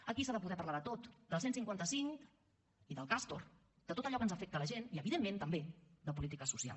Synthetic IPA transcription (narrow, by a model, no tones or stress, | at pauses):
əkisaðəpuðɛpəɾlaðət̪ot̪d̪əlˠsensiŋkwant̪əsiŋk | iðəlˠkast̪or | d̪̥ət̪ot̪əʎɔkənzəfɛk̚t̪ələʒeniəβiðemːẽnt̪əmbed̪əp̬ulit̪ikəsusia̰lˠ